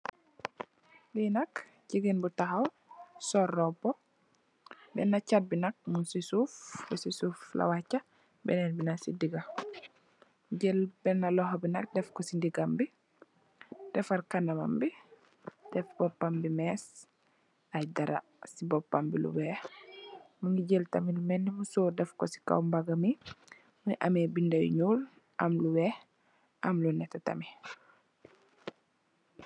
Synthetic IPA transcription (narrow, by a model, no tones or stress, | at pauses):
linak | ciɡinbutaɦaw | sɔrːɔbɔ | bɛ̰nːat͡ʃad̚binak̚munsisuːfbɛsisuflʔa̰wat͡ʃːa | bɛ̰nɛnbinasḭdiɡa | ɟɛlbɛnːalɔɦbinak̚dɛfkɔsindiɡambi | d̥ɛfaɾkanama̰mbi | d̥ɛfbɔpːambimɛs | ɐjdaɾa̰ | sibɔpːambḭlṵwɛːh | muŋɡiɟeltɐmilumɛnːimusoːdɛfkɔsi̥ka̰wmbaɡɐmi | muʔɐ̰mebindɐj̰ɲuːl | ʔɐ̰mluwɛːh | ʔɐmlunɛtːɛtɐ̰mi